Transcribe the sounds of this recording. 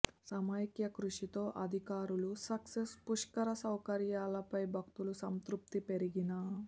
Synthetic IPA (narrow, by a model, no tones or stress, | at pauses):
sɐmaːjkjɐkɾuʂit̪o̞ːʔɐd̪ʱikaːɾulusɐksespuʂkɐɾɐsɐwkɐɾjaːlɐpɐjbʱɐk̚t̪ulusɐmt̪ɾup̚t̪ipe̞ɾiɡinɐ